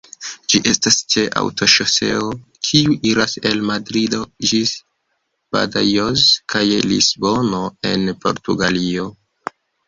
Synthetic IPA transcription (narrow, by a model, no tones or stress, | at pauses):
d͡ʒiʔe̞stast͡ʃe̞ʔa̰wtʰo̞ʃose̞̰okʰiuʔiɾase̞lmadɾido̞d͡ʒis | b̥a̰dajozkʰajelḭsbo̞no̞e̞̰npo̞̰ɾtuɡalio̞